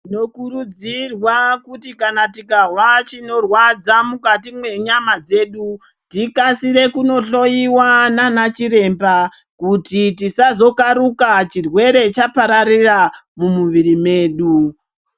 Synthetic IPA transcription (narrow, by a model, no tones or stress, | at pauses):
ino̞kuɾud͡zirwakutikanatikawat͡ʃino̞rwad͡zamukatimwe̞ɲamad͡ze̞ːɗu | tikasiɾe̞kuno̞ɬo̞iwananat͡ʃiɾe̞mba | kutitisazo̞kaɾukat͡ʃirwe̞ɾe̞t͡ʃapaɾaɾiramumuʋiɾime̞ːɗu